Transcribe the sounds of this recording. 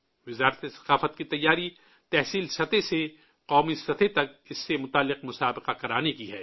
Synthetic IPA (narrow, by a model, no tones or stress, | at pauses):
ʋɪzaːɾt̪esɐ̥qaːfət̪̚kit̪ɐjːaːɾi | t̪ɛɦsiːlsɐt̪ese | qɔːmisɐt̪ʰet̪ɐk̚ɪsːemʊt̪aːlːɪqmʊsaːbɪqakɐɾaːnekiɦɛː